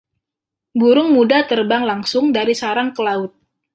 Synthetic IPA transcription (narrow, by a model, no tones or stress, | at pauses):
buɾʊŋmudat̪ərbaŋlaŋsʊŋdaɾisaɾaŋkəlaʊt̪̚